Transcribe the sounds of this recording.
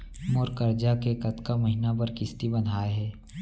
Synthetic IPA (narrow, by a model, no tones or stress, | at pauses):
moːɾkəɾd͡ʒakekɐt̪kamɐɦinapɐɾkɪst̪ibɐnʱaːeɦɛː